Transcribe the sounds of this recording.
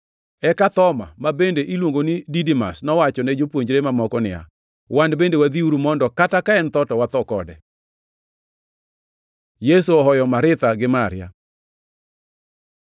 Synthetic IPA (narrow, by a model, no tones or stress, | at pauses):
ɛkat̪ɔma̰mabendeʔilwoŋɡonididima̰snɔwat͡ʃɔned͡ʒopwoɲd͡ʒɾemamɔkɔnɪja̰ | wandbendewad̪iuɾumɔndɔkatakaɛnt̪ɔtɔwat̪ɔkɔdɛ | jesuɔɦɔjɔmaɾɪt̪aɡɪmaɾɪja̰